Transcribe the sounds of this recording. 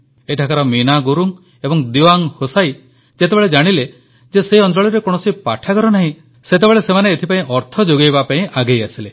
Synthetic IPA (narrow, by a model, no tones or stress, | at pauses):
eʈʰakaɾɔminaɡuɾuŋ | ebɔŋd̪iwaŋhosaj | d͡ʒet̪ebeɭed͡ʒaɽ̃ile | d͡ʒeseiɔnd͡ʒ̪ɾɔɭiɾekɔɽ̃ɔsipaʈʰakɔɾɔnaɦĩ | set̪̬ebeɭesemaneːt̪ʰipaĩʔɔɾt̪ʰɔd͡ʒoɡejbapaĩʔaɡejasile